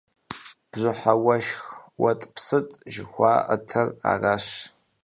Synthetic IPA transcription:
b̥zʷʊħawɐʃxwɐtʼpʰsɨtʼʒɪxʷaːʔɐtʰɐra̰raʃ

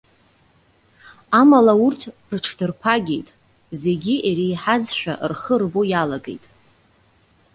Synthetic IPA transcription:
amalaurtʰrʈ͡ʂʰdɨrpʰaɡʲḛjtʼ | ze̞ɡʲiʔeɾijħazʃʷᶣa̰ʔrχərbojalaɡe̞̰jtʼ

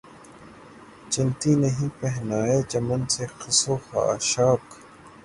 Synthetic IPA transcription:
t͡ʃɪnt̪iːnɐɦĩːpɛɦnaːeːd͡ʒɐmɐnsexɐsoːxa̰ʃaːk

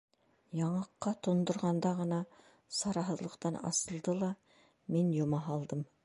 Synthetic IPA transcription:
jɑɴɑqːɑt̪ʰond̪ə̆ɾʁɑnd̪ɑʁənɑ | sɑɾɑɦəzlˠəqt̪ɑnɑ̰səlˠd̪əlˠɑ | me̞njomɑɦɑlˠd̪əm

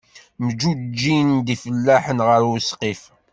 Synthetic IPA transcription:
məd͡ʒud͡ʒːind̪ifəlːæħənʁəɾwəsqif

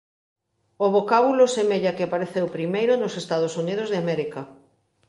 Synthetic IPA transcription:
oβokaβulosemeʎakɪapaɾeθewpɾimejɾonosest̪aðosunið̞ozðɪamɛɾikɐ

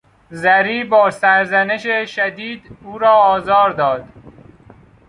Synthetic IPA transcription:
zæɾiːbɒːsæɾzæneʃeʃæd̪iːd̪uːɾɒːɒːzɒːɾd̪ɒːd̪̥

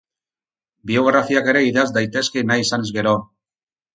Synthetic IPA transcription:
bio̞ɣ̞ɾafiake̞ɾe̞iðazd̪ajt̪e̞ske̞najisanezɣe̞ɾo̞

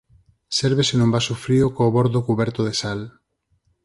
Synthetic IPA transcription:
sɛɾβesenũmbasofɾiokoːβɔɾðokuβɛɾt̪oðesal

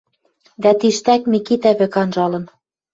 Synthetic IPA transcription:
d̪æt̪iʃt̪ækmikit̪æβɘ̆kɑnʒɑlɤ̆n

